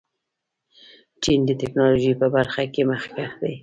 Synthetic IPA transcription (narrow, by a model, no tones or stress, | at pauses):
t͡ʃind̪ət̪ɪknɑloʒipəbaɾxakeməxkaxd̪aj